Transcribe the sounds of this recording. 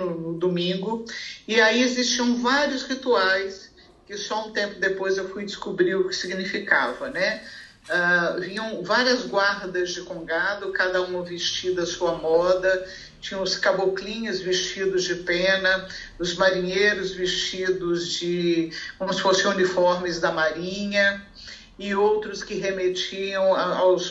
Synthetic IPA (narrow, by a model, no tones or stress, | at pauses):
ʊnʊd̪omĩŋɡʊɪaiezist͡ʃiɐ̃w̃vaɾjʊsʁit̪uajs | kɪsɔũt̪ẽmpʊd̪epojzewfujd͡ʒɪskubɾiɾʊkɪ̥siɡinifika̰vɐnɛ | avĩɲɐ̃w̃vaɾiɐzɡwaɾd̪ɐzd͡ʒɪkõɡad̪ʊkad̪ɐũmɐvest͡ʃid̪ʊɐsuɐmɔd̪ɐ | t͡ʃĩɲɐ̃ʊskaboklĩɲʊzvist͡ʃid̪ʊzd͡ʒɪpẽnɐ | ʊzmaɾĩɲejɾʊzvist͡ʃid̪ʊzd͡ʒɪkõmʊsɪ̥fosɪ̃unifɔɾmɪzd̪ɐmaɾĩɲɐ | ɪowt̪ɾʊskɪɦemet͡ʃiɐ̃w̃aaws